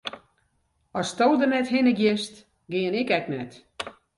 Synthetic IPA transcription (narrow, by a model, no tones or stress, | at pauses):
ɔstoːdərnɛthɪnəɡjɪst | ɡɪənɪkɛknɛt